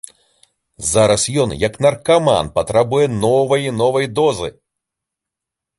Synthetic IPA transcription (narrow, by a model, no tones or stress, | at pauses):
zaɾɐsjɔnjɐknɐrkama̰npɐt̪ɾabujɛnɔvɐjinɔvɐjd̪ɔzɨ̰